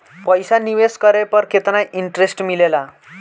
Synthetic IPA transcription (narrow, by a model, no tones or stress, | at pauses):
pəjsaniʋeskəɾepəɾkʰet̪najʔiɳʈɾesʈmilela